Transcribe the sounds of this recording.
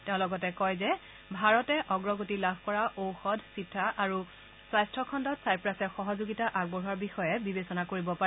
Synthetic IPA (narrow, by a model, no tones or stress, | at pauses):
teʊ̃lɔɡɔtɛkɔjzɛ | bʱaɹɔtɛʔɔɡɹɔɡotilabʱkɔɹaʔowxɔdʱsitʰːaʔaɹu | sajstʰɹɔkʰɔndɔtsajpɹasɛxɔɦɔzoɡitaʔaɡ̚bɔɦuaɹbixɔjɛbibesɔnakoɹibɔpaɛ